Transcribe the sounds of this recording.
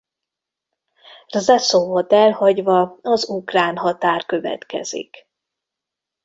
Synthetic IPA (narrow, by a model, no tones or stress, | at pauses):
rzɛsovot̪ɛlhɒɟvɒɒzukraːnɦɒt̪aːrkø̞vɛ̰t̪kɛ̰z̥ḭk